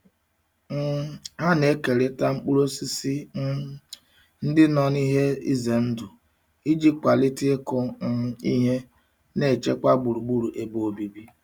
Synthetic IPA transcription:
ɦa˦ne˦ke˨ɾɪ˦ta˦ŋ͡m̩˦k͡pu˦ɾo˦si˦si˦ | n̩˦dɪ˦nɔ˨ni˦ɦe˦ḭ˦ze˨n̩˦dʊ˨ | i˦d͡ʒi˦k͡pa˨lɪ˦ti˦e˦kɔ˦ḭ˦ɦe˦ | ne˨t͡ʃe˦kʷa˦ɡ͡bu˨ɾu˨ɡ͡bu˦ɾu˨ʔe˨bo˨o˨bi˨bi˦

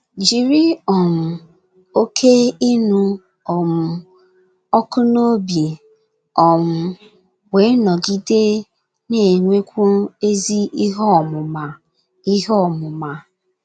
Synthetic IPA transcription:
d͡ʒi˨ɾi˦ɔ˨m̩˨ | o˦kʰe˦i˦nu˦ | ɔ˨m̩˨ | ɔ˦kʊ˦no˦bi˨ | ɔ˨m̩˨ | we˨˦nɔ˨ɡi˦de˦ | ne˨ŋʷe˦kʷu˦e˦zi˦i˦ɦɔ˦˨mʊ˨ma˨ | i˦ɦɔ˦˨mʊ˨ma˨

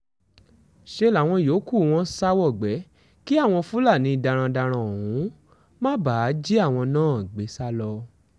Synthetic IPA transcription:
ʃe˦la˨˦˨w̃ɔ̃˧jo˨˦ku˦˨w̃ɔ̃˦sa˦wɔ˦˨ɡ͡bɛ˨˦ | ki˦a˦˨w̃ɔ̃˧fu˦la˦˨nĩ˨˦˧da˧ɾ̃ã˧da˧ɾ̃ã˧o˨hũ˨˦ | mã˦ba˨˦d͡ʒi˦a˦˨w̃ɔ̃˧nãː˦˨ɡ͡be˨˦sa˦lɔ˧

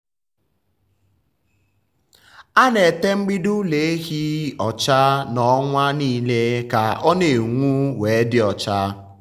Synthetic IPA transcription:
a˦ne˨te˦ŋ͡m̩˦ɡ͡bi˦du˦le˨e˦ɦi˦ɔ˨t͡ʃa˦nɔ˦ŋʷa˦niː˦le˦ka˨ʔɔ˦ne˨ŋʷu˦we˨˦dɪ˦ɔ˨t͡ʃa˦

